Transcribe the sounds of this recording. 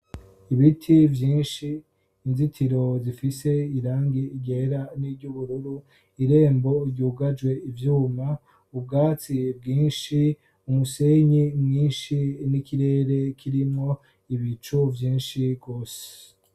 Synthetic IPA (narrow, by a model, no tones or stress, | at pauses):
iβitʰivjiːnʃiː | nzitʰiɾo̞zifise̞iɾaːŋɡiiɟeɾaniɾɟuβuɾuɾu | iɾe̞ːmbo̞ɾɟuːɡad͡ʒwe̞ivjuːma | ub̚ɡaːt͡sib̚ɡiːnʃi | umuse̞ɲimɲiːnʃinikiɾe̞ːɾe̞kʰiɾimŋo̞ | iβit͡ʃuvjiːnʃibɡo̞ːse̥